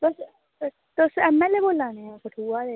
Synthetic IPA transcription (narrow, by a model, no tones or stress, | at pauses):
t̪os | t̪osɛmɛlːeboːlːaːneãːkəʈʰuːaːd̪e